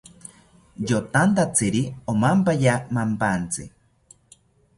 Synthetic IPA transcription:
jot̪ant̪at͡siɾiomampajamampant͡sḭ

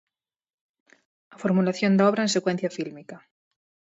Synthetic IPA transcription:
afoɾmulaθjond̪aoβɾaense̞kwen̟θjafilmika

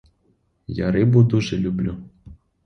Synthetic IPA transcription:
ja̰ɾɪbud̪uʒɛlʲublʲu

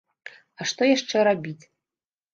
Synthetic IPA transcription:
aʂt̪ojaʂt͡ʂːɛɾabʲitʲ

